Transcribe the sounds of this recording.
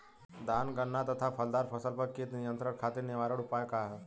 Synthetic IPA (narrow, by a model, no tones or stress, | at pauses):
d̪aːnɡənːat̪ɐt̪ʰapʰɐld̪aːɾpʰɐsəlpɐɾkit̪nɪjə̃nt̪ɾəɾkʰaːt̪ɪɾnɪʋaːɾəɽʊpaːjkaɦɛ